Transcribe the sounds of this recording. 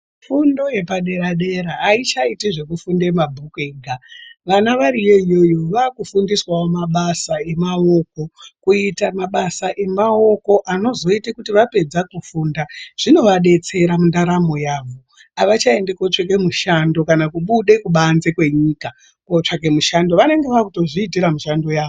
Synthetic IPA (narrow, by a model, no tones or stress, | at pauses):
fundoje̞paɗe̞ɾaɗe̞ɾaːit͡ʃaitiʐe̞kufunde̞mabʱukweɡʱaʋanaʋaɾijeijo̞jo̞ʋaːkufundiswaomaɓasae̞mao̞ko̞kuitamaɓasaʔe̞mao̞ko̞ʔano̞zo̞itekutiʋape̞d͡zakufuːndaʐ̥ino̞ʋaɗe̞t͡se̞ɾamundaɾamo̞jaːʋo̞ | aʋat͡ʃae̞ndekot͡ʂak̬e̞muʃando̞kanakuɓuɗe̞kuɓanze̞kwe̞ɲika | kot͡ʂakemuʃando̞ʋane̞ŋɡe̞ʋakuto̞ʐiːtiɾamuʃando̞jaːʋo